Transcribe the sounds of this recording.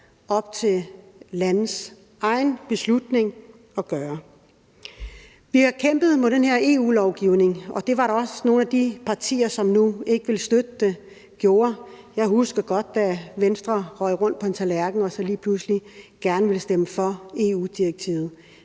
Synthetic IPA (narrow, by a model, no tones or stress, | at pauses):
ɒ̽b̥̚t͡sʰe̝lænð̩ˠs | ʔɑ̈ɪnb̥e̝slud̥ne̝ŋ | ɒ̽ɡ̥ɶːɐ | ʋihɑ̈kʰem̰b̥ð̞̩ˠmod̥enheɐe̝ːṵːlɒʊɡ̥iʊne̝ŋɒ̽d̥e̝ʋɑ̈ɾɑ̈ɒ̽sno̝ːn̩æd̥ipʰɑ̈t͡sʰḭːɐsɒ̽mnue̝ɡ̥əʋe̝lsd̥ød̥əd̥e | ɡ̥jo̝ːɐ | jɑ̈ɪhusɡ̥ɐɡ̥ɒ̽d̥̚d̥æʋensd̥ʁɐʁɒɪ̰ʁɔ̽n̰d̥̚pʰɒ̽ent͡sʰælæɐɡ̥n̩ɒ̽sɒ̽liːpʰlusliɡ̥æɐnəʋe̝lsd̥eməfɒ̽e̝uːd̥iʁeɡ̥̚t͡sʰḭːʊð̩ˠ